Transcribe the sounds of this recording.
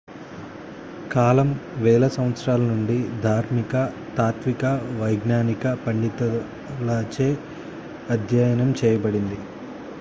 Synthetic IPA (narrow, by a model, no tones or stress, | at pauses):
kaːlɐmʋɛːlɐsɐ̃mʋɐt̪sɾaːlɐnuɳɖid̪ʱaːɾmikɐ | t̪aːt̪ʋikɐʋɐjɡnaːnikɐpɐɳɖit̪ɐ | lɐt͡ʃeː | ɐd̪ʱjɐjɐnɐmt͡ʃɛːjɐbɐɽind̪i